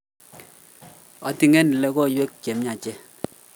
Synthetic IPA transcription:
ɔ˨ti˨ŋɛ˦n˨lɛ˦ko˦˨jwe˦kke˨mɲa˨t͡ʃe˦

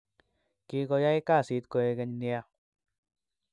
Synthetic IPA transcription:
ki˧kɔ˧ja˦i˦ka˦˨si˨˦t̪̚kɔ˧e˧kɛ˧ɲni˧a˧

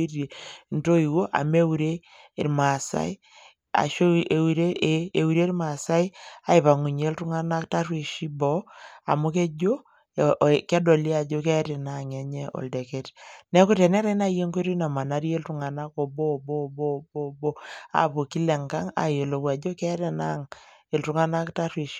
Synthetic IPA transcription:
i˦rje˨nto˦i˨wo˦ʔa̰˨me˦u˨ɾeː˦˨ | ɾma˨sa̰˦i˦ | a̰˨ʃo˦e˨uɾe˦ʔe˦e˨u˨ɾe˦ɾma˨sa˦i˦a˨i˨βa˨ŋu˨ɲe˦ltu˦ŋa˦na˦kta˦rwe˨ʃi˦bɔ˨˦a˨mu˦ke˦d͡ʒo˦˨ | kɛ˦do˨li˦a˨d͡ʒo˦ke˦ɾe˨na˨ŋe˨ɲɛ˦ʔo̰˨lde˨ke˦tnɛ˦ku˦te˨nɛ˦ɾa˦i˦na˦je˦ŋke˦ɾi˦na˨ma˨na˨ɾje˦ltu˨ŋa˨na˦ko˨bo˦˨bo˦˨bo˦˨bo˦bo˦a̰˨po˨ki˦lɛ˨ŋka˦ŋa̰˨je˨lo˨kwa˨d͡ʒo˦ke˦ɾe˨na˦ŋe˨ltu˨ŋa˦na˦kta˦rwi˨ʃi̥˦

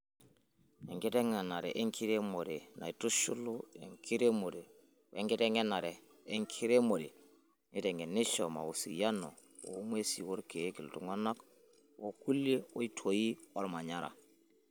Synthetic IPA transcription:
ɛ˨ŋɡi˦tɛ˦ŋa˨na˨ɾɛ˨ʔe˦ŋkʰi˦ɾe˦mo˨ɾe˨na̰˨i˨tu˦ʃu˦lu˦ḛ˨ŋkʰi˦ɾe˦mo˨ɾe˨ | e˦ŋɡi˦te˦ŋe˦na˨ɾɛː˨˦ | ŋkʰi˦ɾe˦mo˨ɾe˨ | ni˦tɛ˨ŋe˨ni˦ʃɔ˨ma̰˨u˨sḭ˨ja˦nɔ̰˨ | o̰˨˦m˦e˦si˨wo˦ɾke˨˦ki˨ltu˨ŋo˦na˦k | wo˦ku˦le˦o˦i˦tʰo˨ji˦ɔ˦ɾma˨ɲa˦ɾa̰˨

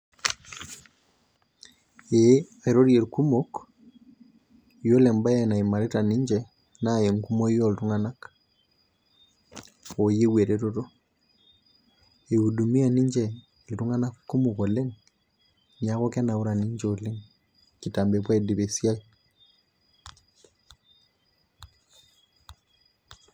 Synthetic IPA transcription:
e˦a˨e˨ɾo˦ɾje˨lku˦mo˦k | jo˦lɛ˨mba˦je˨na˨i˨ma˨ɾe˦ta˨ni˦ɲd͡ʒɛ˨ | na˦˨je˨ŋku˦mo˦i˦jo˦ltu˦ŋa˦na˦k | o˨je˦we˨ɾeto˦to˦ | e˨u˨du˨mi˦a˨ni˦ɲd͡ʒɛ˨ | ltu˦ŋa˦na˦kːu˦mu˨ko˨le˦ŋ | ɲa˦kɔ˦kɛ˦na˨u˦ɾa˨ni˦ɲd͡ʒo˨le˦ŋ | ki˨ta˨mbe˨p̬wa˦edi˨βe˨sja˦i

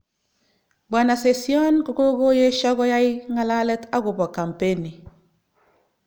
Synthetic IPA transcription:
ba˨na˨se˨si˦o˦nku˨ko˦ɡo˦je˦ʃɔ˦ɡo˦ja˦iŋa˨la˦le˦ta˦ɡu˨bo˨ka˨mpe˦ni˨

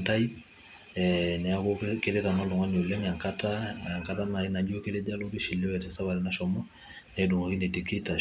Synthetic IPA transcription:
ta˦i˦ | ɛnɛ˨a˦ko˦ke˦ɾe˦ta˨nɔ˦lo˨ŋɡa˦n˨o˨lɛ˦ŋa˨ŋka˦ta˦a˨ŋka˨˦ta˦ma˨ɾi˦na˨d͡ʒo˦ke˦le˦d͡ʒa˦lo˦ki˦ʃi˨le˦ɛ˨tɛ˨sa˦βa˨lɛ˨na˦ʃɔ˨mɔ˦ | nɛ˨du˨ŋa˨ki˦ne˨te˨ki˦ta˨

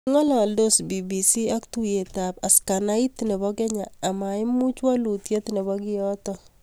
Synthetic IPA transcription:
ŋɔ˦lɔ˨do˦sbi˨bi˨si˦a˦ktu˦je˨ta˨pa˨ska˨na˦i˦t̪ine˨βɔ˦kɛ˦ɲaː˨ma˨i˦mu˦t͡ʃwa˦lu˨tje˦tine˨βɔ˦ki˦jɔ˦tɔ

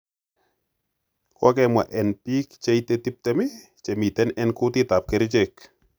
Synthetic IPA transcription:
kwɔ˦kɛmwa̰˨ʔɛ˨npi˦kt͡ʃe˦it̪e˦t̪i˦p̚t̪ɛ˦mɪ˦ | t͡ʃe˨mi˨t̪ɛ˦nɛ˦nkʊ˦t̪ɪ˦ta˨p̚ke˨ɾt͡ʃek

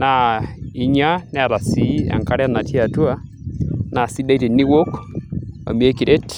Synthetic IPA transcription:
na˦˨i˦ɲa˦ne˦˨ɾa˨si˨˦a̰˨ŋka˦ɾa˦˨na˨ti˦a˨tu˦a˦ | na˨si˦da˦i˦te˨ni˦wo˦k | a̰˨mi˨e˦ki˨ɾe˦t

